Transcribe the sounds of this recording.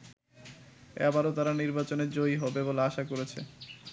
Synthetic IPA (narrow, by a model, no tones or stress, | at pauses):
ɛ̰baɾot̪aɾaniɾbat͡ɕoneɾd͡ʑojɦɔbeboleaʃakoɾet͡ɕʰḛ